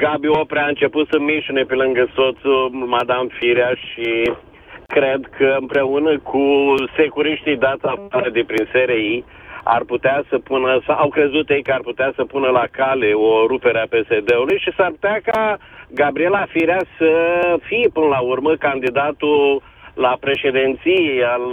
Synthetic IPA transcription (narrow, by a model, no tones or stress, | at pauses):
ɡabiopɾeaɨnt͡ʃe̞put̪səmiʃune̞pelɨŋɡəso̞t̪sumad̪amfiɾiaʃi | kɾe̞d̪kʰəɨmpɾe̞unəkʰuse̞kuɾiʃt̪id̪at̪saɾed̪ipɾinseɾe̞i | a̰rput̪easəpunəsaʔawkɾe̞zut̪je̞jkəarput̪easəpunəlakale̞o̞ɾupe̞ɾeape̞se̞d̪e̞ulujʃisarpu̥t̪eakaɡabɾie̞lafiɾjasəfipɨnəlaurməkand̪id̪at̪u | lapɾe̞ʃe̞d̪ent̪sijejal